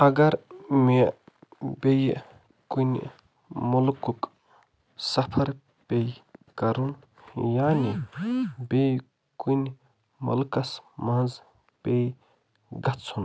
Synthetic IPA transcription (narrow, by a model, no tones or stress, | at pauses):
ɐɡɐɾme | bej | kun̰ʲ | mulkuk | sɐpʰɐɾ | pejkɐɾun | jaːni | bej | kun | mɐ̰lkɐsmaz | pej | ɡɐt͡sʰun